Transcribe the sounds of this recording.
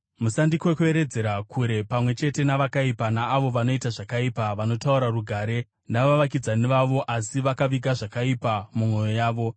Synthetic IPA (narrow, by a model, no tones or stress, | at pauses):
musandikwekue̞ɾe̞d͡ze̞ɾakʰuɾe̞pamwe̞t͡ʃe̞te̞naʋakaipanaːʋo̞ʋano̞itaʐakaipaʋano̞tauɾaruɡʱaːɾe̞ | ndaʋaʋakid͡zaniʋaʋo̞ʔasiʋakaʋiɡʱaʐakaipamumo̞jo̞jaːʋo̞